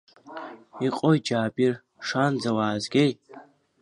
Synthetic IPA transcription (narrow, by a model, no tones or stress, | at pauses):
iqʼojd͡ʒaːpʼir | ʂand͡zawaːzɡʲej